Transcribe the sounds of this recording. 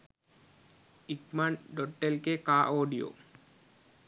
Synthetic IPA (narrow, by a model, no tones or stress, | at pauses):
ikmanɖoʈːelkekaʔoɖijo̰